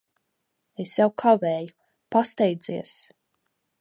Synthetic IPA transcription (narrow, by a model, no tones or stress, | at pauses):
esjawkʰavɛːju | past̪ɛjd̪ziɛs